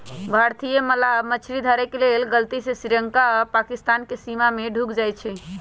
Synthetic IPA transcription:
bʱaɾt̪ijeməlamət͡ʃʰɾid̪ʱəɾekelelɡəlt̪isesɾiɾəŋkapakist̪ankesimameɖʱukd͡ʒajt͡ʃʰɛ

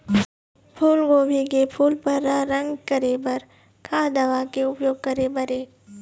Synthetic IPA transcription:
pʰuːlɡoːbʱikepʰuːlpɐɾːaɾɐ̃ŋɡkɐɾebɐɾ | kʰaːd̪ɐʋakeʊpjoːɡ̚kɐɾebɐɾeː

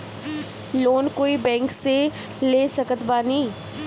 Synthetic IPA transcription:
loːnkoːibɛ̃ːŋkse | leːsəkət̪baːnĩː

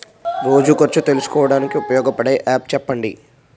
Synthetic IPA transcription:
ʋoːd͡ʒukɐɾt͡ʃut̪e̞lusu̥kɔːʋɐɽaːnikiupɐjɔːɡɐpɐɽeːʔaːp̚t͡ʃɛpːɐɳɖḭ

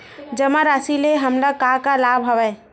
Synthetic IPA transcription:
d͡ʒəmaɾasileɦəmləkakalaːbʱɦɐʋɛ

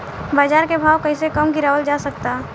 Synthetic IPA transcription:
baːd͡ʒaːɾkebʱaːwkəɪsekəmɡɪɾaːʋəld͡ʒaːsək̚t̪a

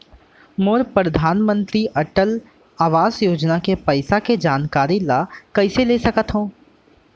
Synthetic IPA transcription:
moːɾpɾɐd̪ʱaːnmə̃nt̪ɾiʔɐʈəl | aːʋaːzjoːd͡ʒnakepɐɪsaked͡ʒaːnkaːɾilakɐɪseleːsɐkət̪ɦõː

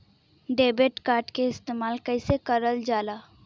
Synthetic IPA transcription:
ɖeːbeːʈkaːɾʈkeɪst̪eːmaːlkəɪsekəɾəld͡ʒaːlaː

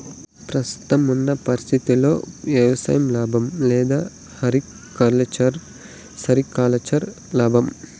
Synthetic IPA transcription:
pɾɐst̪u̥t̪ɐmunːɐpɐɾist̪ʰit̪ilo̞ːʋjɐʋɐsa̰ːjɐmlaːbʱɐmlɛːd̪aː | hɐɾi | kɐɾlet͡ʃɐɾ | sɐɾikaːlɐt͡ʃɐɾ | laːbʱɐm

